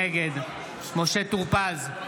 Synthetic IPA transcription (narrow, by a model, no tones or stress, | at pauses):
eɡed̪ | moʃet̪uʁpaz